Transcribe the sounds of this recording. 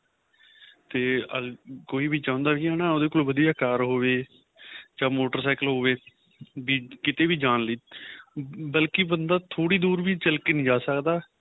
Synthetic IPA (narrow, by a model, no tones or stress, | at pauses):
t̪eːəkoːiːbiːt͡ʃãːʊ̃nd̪aːiːɦɛːnãːoːd̪eːkoːlʋəd̪ijaːkaːɾɦoːʋeː | d͡ʒãːmoːʈəɾsaːɪkəlɦoːʋeː | biːkɪt̪eːbiːd͡ʒaːnləiː | bəlkibənd̪aːt̪ʰoːɽiːd̪uːɾʋiːt͡ʃəlkeːnĩːd͡ʒaːsəkd̪aː